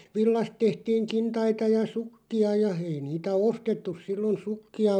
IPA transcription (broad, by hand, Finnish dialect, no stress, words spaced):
ʋilːɑst tehtiːŋ kintɑitɑ jɑ sukːiɑ jɑ ei niːtæ ostetːus silːon sukːiɑ